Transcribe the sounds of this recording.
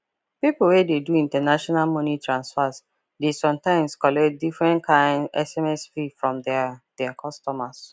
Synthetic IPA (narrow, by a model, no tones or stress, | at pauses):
piplwɛdeduĩntanaʃɔnalmɔnitʰɹãnsfas | desɔ̃mtãɪ̃mskɔlɛkt̚difɹɛ̃nkʰãɪ̃ndɛsɛmɛsvifɹɔ̃mdd̥ɛkʰɔstɔmas